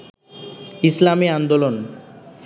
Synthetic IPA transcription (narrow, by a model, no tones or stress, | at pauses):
islamiand̪olon